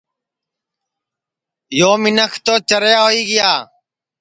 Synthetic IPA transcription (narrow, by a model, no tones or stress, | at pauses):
joːmɪnəkʰt̪oːt͡ʃəɾjaːɦoːiːɡɪjaː